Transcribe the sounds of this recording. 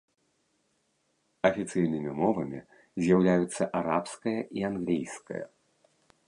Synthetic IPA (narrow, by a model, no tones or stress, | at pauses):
ɐfʲit̪sɨjnɨmʲimɔvɐmʲi | zʲjawlʲajut̪sːɐʔaɾapskɐjɐʔianɣlʲijskɐ̰jɐ̰